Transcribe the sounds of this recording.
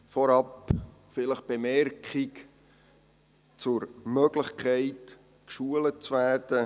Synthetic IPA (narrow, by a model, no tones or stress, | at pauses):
fɔɾɑpfɪləχb̥emɛɾkχik | t͡sʊɾmøɡ̥ləχkʰɛɪt | kʃuələt͡svæːrd̥ə